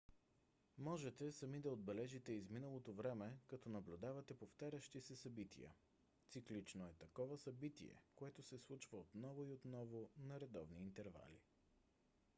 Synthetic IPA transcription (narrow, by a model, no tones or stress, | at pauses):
mɔʒɛt̪ɛsɐmid̪ɐod̪̚bɛlɛʒit̪ɛizminəlˠot̪ovɾɛmɛkɐt̪ɔnɐblʲʊd̪avɐt̪ɛpoft̪aɾʲəʃt̪isɛsɐbit̪ʰḭjə̰ | t̪siklit͡ʃnoɛt̪ɐkɔvəsɐbit̪ḭɛ̰koɛt̪ʊsɛslˠut͡ʃvəot̪nɔvʊiot̪nɔvonɐɾɛd̪ɔ̰vniːnt̪ɛɾva̰lḭ